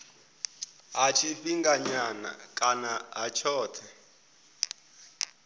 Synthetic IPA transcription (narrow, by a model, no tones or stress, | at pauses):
ɦat͡ʃʰifiŋɡaɲana̰kʼanaɦat͡ʃʰɔːtʰɛ